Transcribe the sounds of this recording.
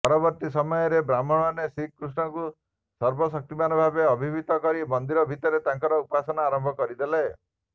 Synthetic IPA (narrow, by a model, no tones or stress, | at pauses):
pɔɾɔbɔɾt̪isɔmɔjɔɾebɾamɔɽ̃ɔnesikːɾusnɔku | sɔɾbɔsɔk̚t̪imanɔbʱabeɔbʱibʱit̪ɔkɔɾimɔnd̪iɾɔbʱit̪ɔɾet̪aŋkɔɾɔupasɔnaːɾɔmbʱɔkɔɾid̪elae